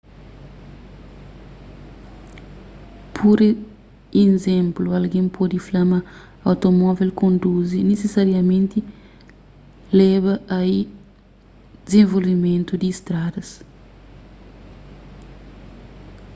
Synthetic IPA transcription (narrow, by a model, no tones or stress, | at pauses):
pʰoɾe | ezẽmpluɐlɡẽŋpʰɔd̪iflɐma | ɐwt̪omɔvelkõnd̪uzinesesaɾjɐmẽnt̪i | lɛβɐɐi | d̪ezẽɱvolvimẽnt̪ud̪iːst̪ɾad̪ɐs